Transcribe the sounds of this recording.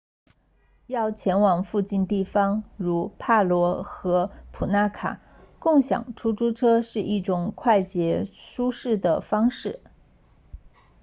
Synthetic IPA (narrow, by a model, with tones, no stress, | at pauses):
jɑ˥˩ʊt͡ɕʰjɛ˧˥nwɑ˨˩ŋfu˥˧t͡ɕi˥˧nt̪i˥˩fɑ˥ŋɻu˧˥pʰa˥˩lwɔ˧˥xɤ˧˥pʰu˨˩na˥kʰa̰˨˩˦ | kʊ˥˩ŋɕjɑ̰˨˩ŋʈ͡ʂʰu˥ʈ͡ʂu˥ʈ͡ʂʰɤ˥ʂɻ̩˥˧ʔi˥˩ʈ͡ʂʊ˨˩ŋkʰwa˥˩ɪt͡ɕjɛ˧˥ʂu˥ʂɻ̩˥˩d̪ə˩fɑ˥ŋʂɻ̩˥˩